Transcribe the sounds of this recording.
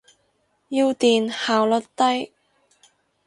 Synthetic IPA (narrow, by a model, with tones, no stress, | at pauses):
jiː˧wt̪iː˨nhaː˨wlɵ˨˥t̚t̪ɐ˥j